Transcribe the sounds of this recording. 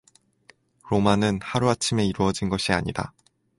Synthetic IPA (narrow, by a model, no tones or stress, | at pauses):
ɾomanɯnhaɾuat͡ɕʰime̞iɾuʌd͡ʑinɡʌɕʰiaɲida̰